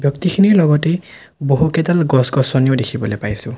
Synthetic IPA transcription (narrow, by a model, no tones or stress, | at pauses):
bjɔktikʰiniɹlɔɡɔte | boɦukɛdalɡɔsɡɔsɔnijodekʰibɔlepajsʊ̃